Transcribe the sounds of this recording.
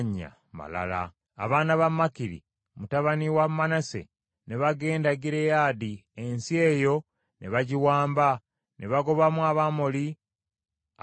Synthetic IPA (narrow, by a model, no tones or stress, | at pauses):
ɲːa̰ | ma̰la̰la̰ː | βaːnaβamːakiɾḭ | mutaβaniwamːanasḛ | neβaɡe̞ːndaɡiɾe̞jadiensie̞ːjo̞ | neβaɟiwaːmba | nʔeβaɡo̞βamwaβamoli